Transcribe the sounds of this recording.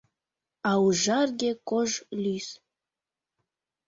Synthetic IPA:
ɑuʒɑrɡʲekoʒlys

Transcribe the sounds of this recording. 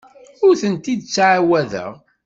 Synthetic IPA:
ʊɾθənt̪id̪t͡sːʕawæðə̰ʁ

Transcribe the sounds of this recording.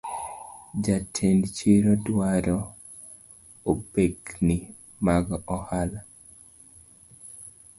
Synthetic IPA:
d͡ʒatʰendt͡ʃiɾɔdwaɾɔ | obeknɪ | maɡɔhala

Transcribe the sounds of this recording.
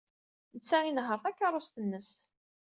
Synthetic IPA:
nət͡sːæinɦəɾˤθækːɑɾˤʊst̪ənːəs

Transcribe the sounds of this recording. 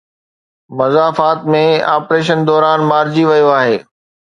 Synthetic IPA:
mɐzaːfaːt̪mẽaːpɾeːʃ̬ənd̪ɔːɾaːnmaːɾd͡ʑiʋɐjoaːɦeː

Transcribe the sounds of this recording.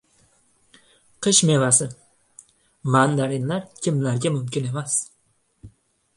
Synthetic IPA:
qʰɨʃme̞vasɪ | mand̪aɾɪnlaɾkʲʰɪmlaɾɡʲamʊmkʲɪne̞mas

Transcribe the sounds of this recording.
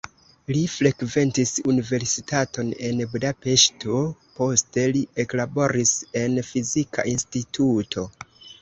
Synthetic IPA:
lifɾe̞kve̞ntisunive̞ɾsitatʰo̞ne̞nbudape̞ʃto̞po̞ste̞lieklabo̞ɾise̞nfizikʰa̰ʔinstitutʰo̞

